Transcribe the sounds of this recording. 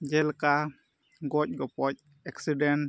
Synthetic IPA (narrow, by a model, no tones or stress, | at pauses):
d͡ʒɛlka | ɡɔc̚ɡɔpɔc̚ | ɛksidɛn